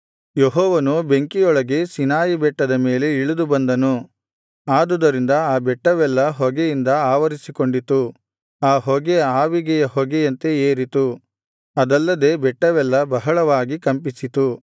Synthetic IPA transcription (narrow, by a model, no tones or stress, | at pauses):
jeɦɔːʋɐnube̞ŋkijɔɭɐɡe̞sinaːjibɛʈːɐd̪ɐme̞ːle̞iɭud̪ubɐnd̪ɐnu | aːd̪ud̪ɐɾind̪ɐaːbɛʈːɐʋɛlːɐɦɔɡɛjind̪ɐaːʋɐɾisikoɳɖit̪u | aːɦɔɡeaːʋiɡɛjɐɦoɡejɐnt̪e̞eːɾit̪u | ɐd̪ɐlːɐd̪e̞ːbɛʈːɐʋɛlːɐbɐɦɐɭɐʋaːɡikɐmpisit̪u